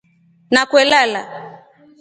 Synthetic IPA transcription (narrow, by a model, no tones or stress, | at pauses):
nakwɛlala̰